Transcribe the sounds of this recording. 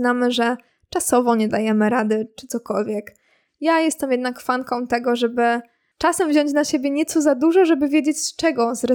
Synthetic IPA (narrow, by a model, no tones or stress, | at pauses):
namɘʐɛ | t͡ʂasɔvɔɲɛd̪ajɛmɘɾad̪ɘt͡ʂɘ̥t̪sɔkɔlvʲjɛk | jajɛst̪ɛmjɛd̪nakfaŋkɔ̃w̃t̪ɛɡɔʐɛbɘ | t͡ʂasɛmvʑɔɲt͡ɕnaɕebʲjɛɲɛt̪sɔzad̪uʐɔʐɛbɘvʲjed͡ʑet͡ɕt͡ʂɛɡɔzɾɛ